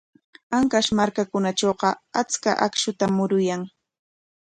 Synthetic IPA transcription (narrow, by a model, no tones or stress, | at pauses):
aŋkaʃmaɾkakʊnaʈ͡ʂoːɢɑat͡ska̰ʔakʃʊt̪amʊɾʊjaŋ